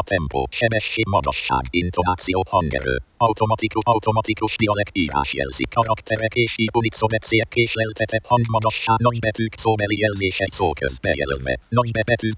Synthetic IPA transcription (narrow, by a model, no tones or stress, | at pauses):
ɒt̪ʰɛmpo̰ːʃɛbɛʃːeːɡmɒd̪ɒ̰ʃːa̰ːɡint̪onaːt̪sioːhɒŋɡɛ̰ɾø̰ːɒwt̪omɒt̪ikuɒwt̪omɒt̪ikuʃd̪iɒlɛkiːɾa̰ːʃjɛ̰lzḭkʰːɒɾɒkt̪ʰɛɾɛkeːʃiːunit̪sobɛt̪seːɛkːeːʃlɛlt̪ʰɛt̪ʰɛphɒŋɡmɒd̪ɒʃːaːnɒɟbɛt̪yːksoːbɛlijɛlzeːʃɛsoːlkø̰zbɛjɛ̰lø̰lvɛ̰nɒɟbɛbɛt̪yː